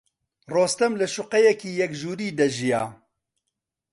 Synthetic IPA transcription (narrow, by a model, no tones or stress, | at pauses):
roːst̪ɛmlɨʃʊqɛjɛkiːjɛkʒuːɾiːd̪ɐʒijaː